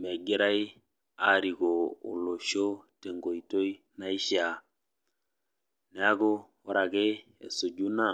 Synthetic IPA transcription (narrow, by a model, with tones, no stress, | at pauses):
mɛ˨ɡɪ˦ɾa˦i˦ | a˦˨ɾi˨ko̰ː˨lo˨ʃo˦te˨ŋɡo˨i˨to˦i˦ | na˦i˦ʃa˨ | nɛ˨a˦ɡo˦ | ɔ˦ɾa˨ke˦ | ɛ̰˨so˨ɟu˦na˦˨